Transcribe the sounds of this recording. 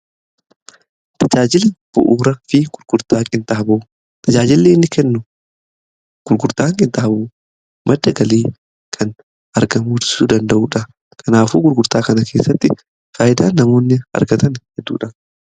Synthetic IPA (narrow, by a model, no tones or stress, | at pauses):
t̪ʰɐd͡ʒaːd͡ʒɪlɐb̥ʊ̰ʔuːɾɐfɪɡ̥ʊɾɡ̥ʊɾt̪aːkʼɪnt̪ʼɐhɐbuː | t̪ʰɐd͡ʒaːd͡ʒɪlːeːɪnːɪkɛnːʊ | ɡ̥ʊɾɡʊɾt̪aːŋkʼɪnt̪ʼɐhɐbuː | mʔɐd̪ːɐɡɐliː | kʰɐn | ɐɾɡɐmuːtɪ̥suːd̪ɐnd̪ɐʔuːᶑɐ | kʰɐnaːfuːɡʊɾɡʊɾt̪aːkɐnɐkʰe̞ːsːɐt̪ːɪ̰ | faːjɪd̪aːnːɐmo̞ːnːɪɐ̰ɾɡɐt̪ɐnhɛd̪ːṵːᶑɐ